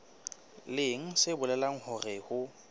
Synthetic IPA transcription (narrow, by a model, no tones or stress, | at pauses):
lɪŋ̩sɪbʊlɛlaŋ̩hʊrɪhʊ